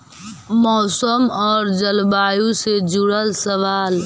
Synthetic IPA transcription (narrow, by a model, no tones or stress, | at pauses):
mɔːsəmɔːɾd͡ʒəlbaːjused͡ʒuɽəlsəʋaːl